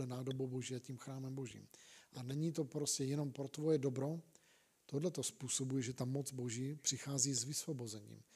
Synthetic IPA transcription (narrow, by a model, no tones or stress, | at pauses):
ɛnaːdobowbo̞ʒiːaciːmxɾaːmɛmbo̞ʒḭːmʔanɛɲiːt̪o̞pɾoscɛjɛno̞mpɾot̪vo̞jɛdobɾo̞ | t̪odlɛt̪o̞spuːsobujɛʒɛt̪amot͡sboʒiːpr̥ɪxaːziːzvɪsvo̞bo̞zɛɲḭːm